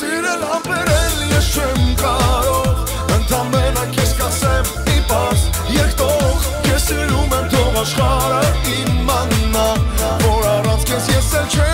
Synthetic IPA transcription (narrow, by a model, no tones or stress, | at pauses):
siɾɛlɑpɛɾɛljɛst͡ʃʰɛmkʼɑɾɔʁ | ənt̪ʰɑmɛnəkʰɛskɑsɛm | ipɑs | jɛkʰt̪ɔʁ | kʰɛsiɾumɛmt̪ʰɔvɑʃχɑɾəimɑnnɑ | vɔɾɑrɑnt͡sʰkʰɛsjɛsɛlt͡ʃʰɛ